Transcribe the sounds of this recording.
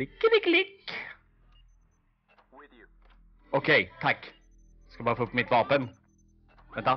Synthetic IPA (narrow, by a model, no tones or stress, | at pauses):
ɪkːəd̪ɪklɪkː | ɔkʰɛjt̪ʰakː | skabɑːɾfoːɵpːmɪt̪vɑːpən | vɛnt̪a